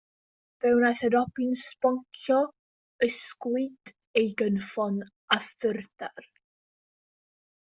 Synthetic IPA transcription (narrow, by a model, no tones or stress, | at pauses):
v̥ɛwnaθədɔpɪnspɔŋkʰjɔ | əskwɨd̥ | ejɡənfɔn | aθɪrd̥ar